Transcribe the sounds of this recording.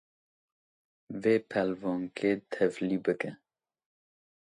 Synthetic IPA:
veːpʰɛlvɔːŋkʰet̪ʰɛvlibɨkɨ̃

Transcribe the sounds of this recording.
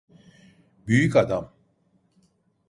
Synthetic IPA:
byjycad̪am

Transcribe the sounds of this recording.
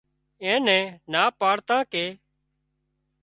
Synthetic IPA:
ɛ̃ːnɛ̃ːnaːpaːɽt̪ãːkeː

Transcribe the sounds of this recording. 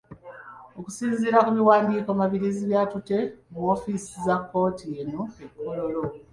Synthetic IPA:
oku̥siːziːɾakuβiwaːndiːkoamaβiɾiziβjaːtute̞muofisizakːo̞ːtʰijenoekːo̞lolo̞

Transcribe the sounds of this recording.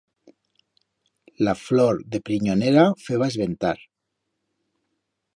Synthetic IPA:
lafloɾðepɾiɲoneɾafeβaezβent̪aɾ

